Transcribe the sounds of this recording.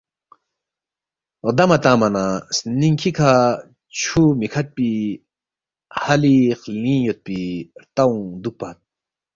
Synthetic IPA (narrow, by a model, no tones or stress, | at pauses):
ɾd̪amat̪amanasniŋkʰikʰa | t͡ʃʰumikʰat̪̚pi | halixlĩjɔt̪̚piɾt̪awŋd̪uk̚pat̪̚